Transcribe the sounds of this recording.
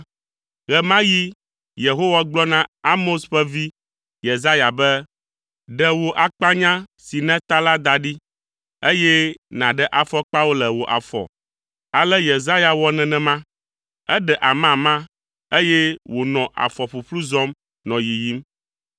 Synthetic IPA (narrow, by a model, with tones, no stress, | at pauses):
ɣɛ˨mã˦ji˦ | je˨ɦo˦wa˦ɡ͡blɔ˦nã˦a˦mo˦sɸɛ˦vi˦ | je˨za˦ja˨bɛ˦ | ɖɛ˨wo˨ʔa˨k͡pa˦ɲã˦si˨nɛ̃˦t̪a˦la˦d̪a˨ɖi˦ | e˦jɛ˦nã˨ɖɛ˦ʔa˨fɔ˦k͡pa˦wo˦lɛ˨wo˨ʔa̰˨fɔ̰˨ | a˨lɛ˦je˨za˦ja˨wɔ˦nɛ̃˨nɛ̃˨mã˦ | ɛ˦ɖɛ˨ʔa˨mã˨mã˦ | e˦jɛ˦wo˨nɔ̃˨ʔa̰˨fɔ˨ɸu˨ɸlu˦zɔ˦m | nɔ̃˨ji˨ji˦m